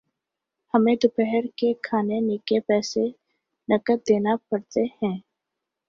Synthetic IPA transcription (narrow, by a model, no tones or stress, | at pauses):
hɐmẽd̪ʊpɛɦɛɾkekʰaːnenɪkepɛːse | nɐkət̪̚d̪eːnapɐɽt̪ehɛ̃ː